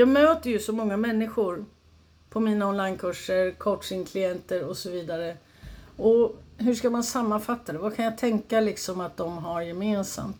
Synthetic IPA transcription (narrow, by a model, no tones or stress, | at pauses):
jɑːɡmøːt̪əɾjɵsɔmɔŋːamɛnːɪɧʊɾ | pʰɔmiːnaɔnlajnkʰɵʂːəɾkʰɔʈʂɪŋkʰlɪjɛnt̪əɾɔsɔviːd̪aɾə | ɔɦɵʂkamansamːanfat̪ːad̪ɛvakʰanjat̪ʰɛŋkalɪksɔmat̪̚d̪ɔmɦaɾjɛmeːnsa̰mt̪